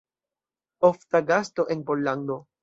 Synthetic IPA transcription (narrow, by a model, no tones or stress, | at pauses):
oft̪aɡast̪o̞ʔenpolːand̪o̞